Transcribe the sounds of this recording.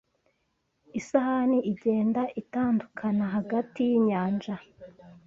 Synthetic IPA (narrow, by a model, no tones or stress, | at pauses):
isahaniiɟeːndaʔitaːndukʰanaɦaɡatijiɲaːnd͡ʒa